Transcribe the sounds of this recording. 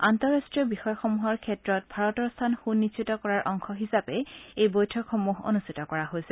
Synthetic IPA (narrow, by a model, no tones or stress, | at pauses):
antɔɹastɹijɔbixɔjɔxomuɦɔɹkʰɛtɹɔt̚bʱaɹɔtɔɹstʰanxunːit͡ʃitɔkɔɹaɹʔɔŋxʰɔɦisapɛejbojtʰɔkxomuɦo̰nustʰitɔkɔɹaɦojsɛ